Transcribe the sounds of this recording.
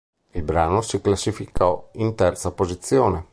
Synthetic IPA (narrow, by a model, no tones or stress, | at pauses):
ilbɾaːnosiklasːifikʰɔint̪ɛrt̪sapozit̪sːjoːne